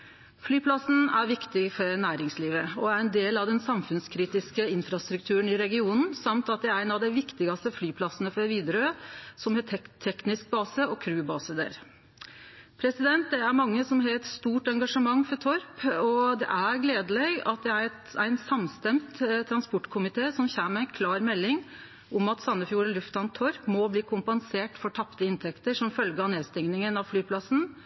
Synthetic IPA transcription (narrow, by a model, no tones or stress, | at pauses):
flyːpʰlɑsn̩æɾʋɪkt̪ɪfɔɾnæːɾɪŋsliːʋəɔæɾɛnd̪eːlɑʋd̪ɛnsɑmfʉnskʰɾiːt̪ɪskəɪnfɾɑst̪ɾʉk̚t̪ʰʉːɾənɪɾɛɡɪuːnn̩sɑmt̪ɑt̪̚d̪ɛæɪnɑʋd̪ɛɪʋɪkt̪ɪɡɑst̪əflyːpʰlɑsənəfɔɾʋiːd̪ɾøːsɔmhet̪ʰːɛknɪsk̚bɑːsəɔkʰɾʉːbɑːsəd̪ḛɾ | pʰɾɛsɪd̪ɛnt̪̚d̪ɛæɾmɑŋːəsɔmɦæt̪st̪uːʈɛŋɡɑʂəmɑŋːfɔɾʈ̪ʰɔɾpɔd̪ɛ̰ʔæɾɡleːd̪əlɛɡɑ̰t̪̚d̪ɛæɾɛt̪æɪnsɑmst̪ɛmt̪t̪ʰːɾɑnspɔʈːkʰʊmɪt̪ʰeːsɔmçæːnəɾæɪnkʰlɑːɾmɛlːɪŋ | ʊmɑt̪sɑnːəfjuːɾəlʉft̪ɑnt̪ʰːɔɾpmɔbliːkʰʊmpɑnseːʈfɔʈʰɑpt̪əɪnt̪ʰɛkt̪əʂɔmfœlɡəɑneːd̪st̪ɪŋnɪŋənɑʋflyːpʰlɑsn̩